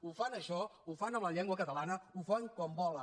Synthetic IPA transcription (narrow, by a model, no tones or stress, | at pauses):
ufanəʃɔufanəmləʎɛŋɡwəkət̪əlanəufaŋkɔmbɔlə